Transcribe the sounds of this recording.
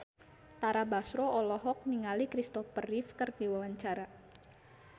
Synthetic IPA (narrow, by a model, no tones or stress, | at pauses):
t̪aɾabasɾoɔlɔɦɔk̚niŋalikɾist̪ɔfərifkərdiwawaɲt͡ʃaɾa